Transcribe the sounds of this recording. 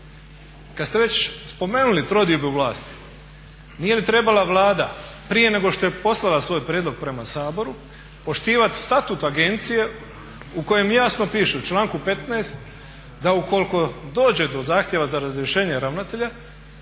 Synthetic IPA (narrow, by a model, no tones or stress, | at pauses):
kad̪st̪e̞ʋe̞t͡ɕspo̞me̞ːnulit̪ɾo̞d̪iobiuʋlˠaːst̪i̥ | nije̞lit̪ɾe̞balaʋlˠaːd̪apɾije̞ne̞ɡo̞ʃt̪o̞je̞po̞slˠalasʋo̞ːjpɾʲjed̪lo̞ɡ̚pɾe̞masaːbo̞ɾu | po̞ʃt̪iːʋat̪i̥st̪at̪ut̪aɡe̞nt̪sije̞ | uko̞je̞mjaːsno̞piːʃeut͡ʃlˠaːŋkupe̞t̪naːst̪ | d̪auko̞liko̞d̪o̞ːd͡ʑe̞d̪o̞zaːxt̪je̞ʋazaɾazɾjeʃe̞ːɲe̞ɾaʋnat̪e̞ʎa